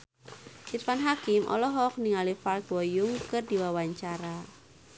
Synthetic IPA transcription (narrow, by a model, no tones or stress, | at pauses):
sirfanɦakɪmʔɔ̰lɔɦɔk̚niŋalifalkwɔjʊŋkɨrdiwawaɲt͡ʃaɾa